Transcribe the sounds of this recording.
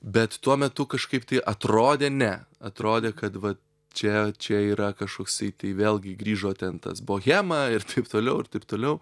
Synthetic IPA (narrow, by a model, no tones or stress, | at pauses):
bʲɛt̪t̪uɔmʲɛt̪ʊkɐʃkɐɪpt̪ɐɪʔɐt̪ɾoːd̪ʲeːnʲɛɐt̪ɾoːd̪ʲeːkɐt̪ʋɐ | t͡ʃʲɛt͡ʃʲɛiːɾɐkɐʃkoːksɐɪt̪ɐɪʋʲeːlʲˠɡʲɪɡɾʲiːʒoːt̪ʲɛnt̪ɐ̰sbʊʋɔxʲæːmɐɪrt̪ʰɐɪpt̪oːlʲɛʊɪɾt̪ɐɪp̚t̪oːlʲɛʊ